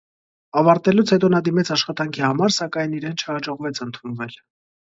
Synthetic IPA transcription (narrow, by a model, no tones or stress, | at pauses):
ɑvɑɾt̪ɛlut͡sʰhɛt̪ɔnɑd̪imɛt͡sʰɑʃχɑt̪ɑŋkʰihɑmɑɾsɑkɑjniɾɛnt͡ʃʰəhɑd͡ʒɔʁvɛt͡sʰənt̪ʰunvɛl